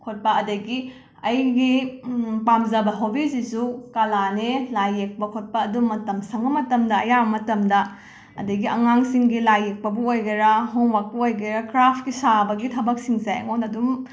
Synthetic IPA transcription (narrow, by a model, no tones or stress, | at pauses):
kʰot̚pɐɐdɐɡi | ɐjɡipamzɐbɐɦobizisukalanelajːek̚pɐkʰot̚pɐːdumːɐtɐmsɐŋbɐmɐtɐmdɐɐjabɐmɐtɐmdɐ | ɐ̰dɐɡiʔɐŋaŋsiŋɡilajek̚pɐbɐojɡɐɾɐɦoŋwak̚pɐojɡɐɾɐkɾapʰkisabɐɡitʰɐbɐk̚siŋsajɐ̰ŋonɐdum